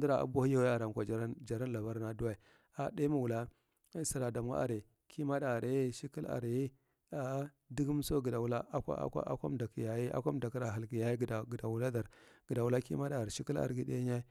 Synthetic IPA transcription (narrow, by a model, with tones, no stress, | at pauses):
di˦ɾa˨a̰˨˦bʷa˦hi˦ja˦we˦a˨ɾa˨ŋkʷa˨d͡ʒa˨ɾa˦nd͡ʒa˨ɾa˦nla˨ba˦ɾna˨du˦a˨i˨ | a˨de˦ma˨wu˨la˦ | si˨ɾa˨da˨mwa̰˦a̰˨ɾe˨ | kʰi˦ma˦da˨ɾe˦ʃi˦ki˦la̰˨ɾji˦ | a˨˦ | di˦ɡi˦m˦so˦ɡə˨da˨wu˦la˦a˦kʷa̰˦a̰˦kʷa̰˦a̰˦kʷa̰˦m˦da˨ki˨ja˨ji˦a̰˦kʷa˦m˨da˨ki˦ɾa˨a˨lɡi˨ja˦i˦ɡda˨ɡda˨wu˨la˦da˨ɾɡ̥ə˨da˨wu˨la˦kḭ˦ma˦da˨ɾe˨ʃi˦ki˦la̰˨ɾɡi˦dḛ˦ɲa˦i˦